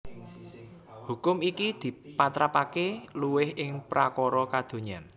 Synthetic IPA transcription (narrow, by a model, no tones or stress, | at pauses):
hukʊmikid̪̥i̤pat̪ɾapakeluwɪhʔɪŋpɾakɔɾɔkad̪̥o̤ɲan